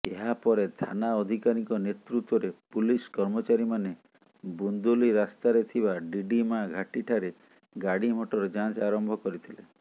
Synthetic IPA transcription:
eɦapɔɾet̪ʰa̰naɔd̪ʱikaɾikɔnet̪ɾut̪wɔɾepuliskɔɾmɔt͡ʃaɾimane | bund̪uliɾast̪aɾet̪ʰibaɖiɖimãɡʱaʈiʈʰaɾe | ɡaɽim̤ɔʈɔɾɔd͡ʒãnt͡ʃaɾɔmbʱɔkɔɾit̪ʰilḛ

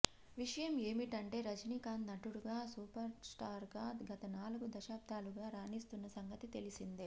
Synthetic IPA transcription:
ʋiʂɐjɐme̞ːmiʈɐɳʈe̞ːɾɐd͡ʒnikaːnːɐʈuɽuɡaːsuːpɐɾsʈaːɾɡaːd̪ɡɐt̪ɐnaːluɡud̪ɐʃaːb̚d̪ʱaːluɡaːɾaːniːst̪unːɐsɐŋɡɐt̪it̪e̞lisind̪i

